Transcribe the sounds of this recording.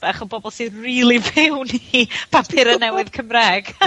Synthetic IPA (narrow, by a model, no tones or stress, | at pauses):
aχɔbɔbɔlˠsiriːlˠivɪwnipʰapʰɪɾənːɛwɪð̥kʰəmrɛɡ̥